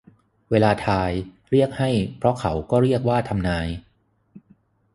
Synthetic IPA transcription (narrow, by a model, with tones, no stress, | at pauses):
weː˧laː˧t̪ʰaː˧j | ɾi˥˩ək̚ha˥˩jpʰɾɔ˦˥kʰa˦wkɔː˥˩ɾi˥˩ək̚waː˥˩t̪ʰa˧mnaː˧j